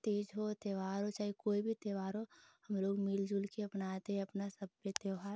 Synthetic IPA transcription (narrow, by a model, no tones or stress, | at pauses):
t̪eːd͡ʒɦot̪eːʋaːɾɦot͡ʃaːɦikoːibʱit̪eːʋaːɾɦohɐmloːɡmɪld͡ʒʊlkeɐpnaːt̪eɦɛ̃ɐpnasɐbjət̪eːʋɦaːɾ